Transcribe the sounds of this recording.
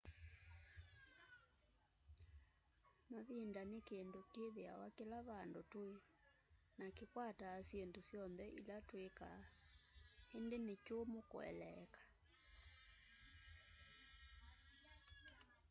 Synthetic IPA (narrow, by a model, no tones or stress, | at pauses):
maβindanekendokeðea̰wakelaβandotoe | nakekwataːsjendosjɔnðɛʔḭlatweka | hendenet͡ʃomoko̰ɛ̰lɛkḁ